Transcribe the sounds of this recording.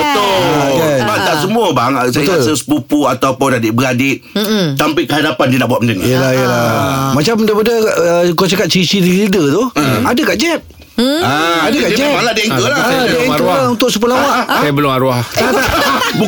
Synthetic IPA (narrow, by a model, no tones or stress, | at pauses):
bət̪oabat̪aʔsəmũəbaŋsbət̪asəsə̥pupuat̪awpʊwnadɪʔbəɾadɪʔ | t̪ampiʔkəɦadapandinaʔbuat̪̚məndəŋ̰iəlahijəlamãt͡ʃaməndapadəʔəkasakat̪̚t͡ʃisidilidət̪uadəkaʔd͡ʒɛp̚ | aadəakaʔd͡ʒɛaladiʔiŋkəadiĩkəaunt̪ʊʔsəp̬ulawaabəlʊmaɾuaat̪aʔbu